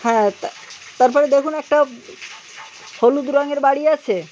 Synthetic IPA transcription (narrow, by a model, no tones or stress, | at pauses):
hɛ̃ | t̪aɾpɔɾed̪ekʰunɛk̚ʈa | holud̪ɾaŋeɾbaɽiat͡ɕʰe